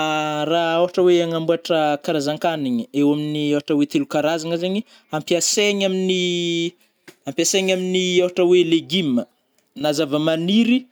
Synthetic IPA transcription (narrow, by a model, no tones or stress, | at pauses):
raawaʈ͡ʂəweaŋambuaʈ͡ʂəkaɾazaŋkaniɲiewaminiawaʈ͡ʂəwet̪elukaɾazaŋəzaɲi | ampiaseɲamini | ampjaseɲaminiawɦaʈ͡ʂəweleɡimə | nazavəmaniɾi